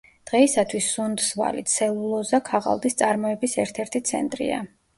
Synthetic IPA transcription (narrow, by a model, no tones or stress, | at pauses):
d̪̥ʁɛisat̪ʰwisːund̪sva̰lḭt̪sɛlˠulˠɔzakʰaʁa̰lˠd̪ist̪sʼaɾmɔɛbisɛɾt̪ʰɛɾt̪ʰit̪sʰɛ̰nt̪ʼɾḭa̰